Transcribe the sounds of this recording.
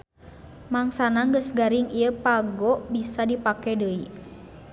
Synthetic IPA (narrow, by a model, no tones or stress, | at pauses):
maŋsanaŋɡəsɡaɾiŋiəpaɡɔʔbisadipakɛdəi